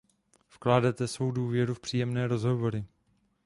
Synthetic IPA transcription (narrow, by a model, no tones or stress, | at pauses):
fklaːdɛt̪ɛsvo̞wduːvjɛɾufpr̝̥iːjɛmnɛːɾo̞zɦo̞vo̞ɾɪ